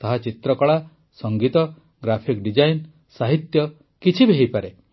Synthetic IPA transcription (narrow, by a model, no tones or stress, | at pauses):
t̪aɦat͡ʃit̪ɾɔkɔɭa | sɔŋɡit̪ɔ | ɡɾapʰikɖid͡ʒajn | saɦit̪jɔ | kit͡ʃʰibʱeɦijpaɾe